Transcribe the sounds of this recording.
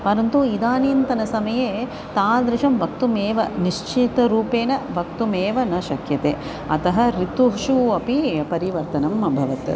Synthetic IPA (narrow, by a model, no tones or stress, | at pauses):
pɐɾɐnt̪uid̪aːniːnt̪ɐnɐsɐmɐjeː | t̪aːd̪ɾɪʃɐmʋɐk̚t̪umeːʋɐniʃt͡ʃʰit̪ɐɾuːpeːnɐbɐk̚t̪umeːʋɐnɐʃɐkʰjɐt̪eː | ɐt̪ɐɦɐ̆ɾit̪uɦʃuɐpipɐɾiʋɐɾt̪ɐnɐmɐbʱɐʋɐt̪